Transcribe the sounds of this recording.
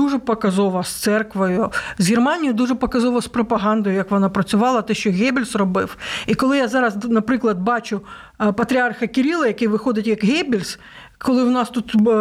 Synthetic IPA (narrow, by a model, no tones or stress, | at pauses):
uʒɛpɔkɐzɔʋɐst̪sɛrkʋɔjʊzɦʲirmɑnʲijʊd̪uʒɛpɔkɐzɔʋɐspɾɔpɐɦɑnd̪ɔjʊjɐkʋɔnɑpɾɐt͡sʲʊʋɑlˠɐt̪ɛʃt͡ʃɔɣʲɛbʲilʲsrɔbɪwikɔlˠɪjazɑɾɐznɐpɾɪklˠɐd̪bɑt͡ʃʊ | pɐt̪ɾʲiɑrxɐkɪɾʲilˠɐjɐkɪjʋɪxɔd̪ɪtʲjɐkɦɛbʲilʲs | kɔlˠɪwnɑst̪ut̪